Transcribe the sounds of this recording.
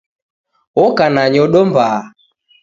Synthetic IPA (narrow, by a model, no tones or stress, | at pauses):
ɔkanaɲɔɗɔmbaː